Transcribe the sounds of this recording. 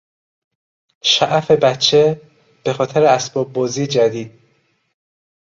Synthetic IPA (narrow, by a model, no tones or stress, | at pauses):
ʃæʔæfe̞bætt͡ʃʰːe̞ | b̥e̞xɒːt̪ʰeɾeæsb̥ɒːb̚ːɒːziːjed͡ʒæd̪iːd̪̥̚